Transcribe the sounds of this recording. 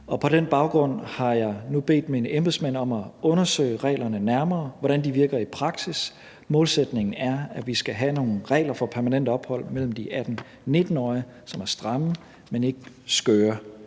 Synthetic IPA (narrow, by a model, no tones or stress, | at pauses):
ɒ̽pʰɒ̽ɾ̥enb̥ɑ̈ʊɡ̥ʁɔ̽n̰hɑ̈jɑ̈ɪnub̥e̝̰ːd̥minəʔemb̥esmæn̰ɒ̽mæɔ̽nɐsø̰ɪ̰ʁɛ̰ɪlɐnənæɐmɐːʋɒɾ̥ænd̥iʋiɐɡ̥ɐipʰʁɑ̈ɡ̥sis | mɔ̽ːlsed̥ne̝ŋn̩æɐæʋisɡ̥æɦæno̝ːn̩ʁɛ̰ːɪlɐfɒ̽pʰæɐmænen̰d̥əɒ̽b̥hɒ̽l̰mel̰m̩d̥iʔæd̥n̩ | ne̝d̥n̩ɒɪ | sɒ̽mæɐsd̥ʁɑ̈m̩ | mene̝ɡ̥ə | sɡ̥øːɐ